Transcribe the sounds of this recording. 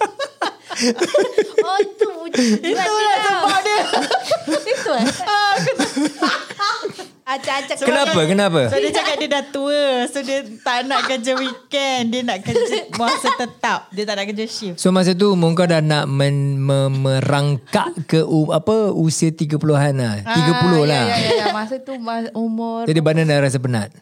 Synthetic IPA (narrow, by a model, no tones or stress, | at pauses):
t̪uit̪ulasəbadiə | it̪u | sokənãpakənãpasodiəd͡ʒakat̪̚diədat̪uəsodiət̪aʔnaʔkəd͡ʒəwikɛndiənaʔkəd͡ʒəmasət̪ət̪ap̚diət̪aʔnaʔkəd͡ʒəʃifsomas̬ət̪̬umoŋkadahnaʔməməmə̃raŋkaʔkəʔuapəusiət̪iɡəpuloɦanlaht̪iɡəpulʊhlahmasat̪uaumʊd͡ʒadibanadaɾas̬ap̬əna̰t̪̚